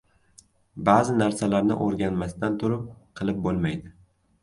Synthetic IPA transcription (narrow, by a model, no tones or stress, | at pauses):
bazɪnaɾsalaɾnɪ̰ʔoɾɡʲanmasɪd̪ant̪ʰʊɾɪp̚qʰɨlˠɪp̚bolˠmajd̪ɪ